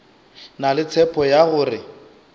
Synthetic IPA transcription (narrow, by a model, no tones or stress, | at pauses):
nalɪt͡sʰɛpʰɔjaɣʊːrɪ